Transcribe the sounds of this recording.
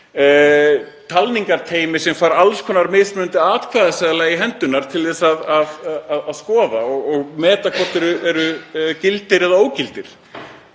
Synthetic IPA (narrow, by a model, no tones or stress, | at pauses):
t̪ʰalniŋkaɾt̪ʰeːjmɪsɛmfaːɾalskʰɔːnaɾmɪðsmʏʏnt̪ɪaːt̪kʰvaðasɛðalaɣiɦɛnt̪ʏnaɾ̥t̪ʰɪlðɛsaðaðaðaðskɔːðaɔɣɔɣmɛːt̪akʰvɔ̥t̪ɛɾʏʔɛɾʏcɪlt̪ɪɾɛðaoːwcɪlt̪ɪɾ̥